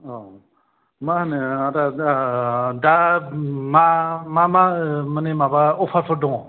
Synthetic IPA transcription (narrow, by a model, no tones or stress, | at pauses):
ɔ | mahanɯata | da | mamamamənemabaɔpʰapʰɔɾdɔŋ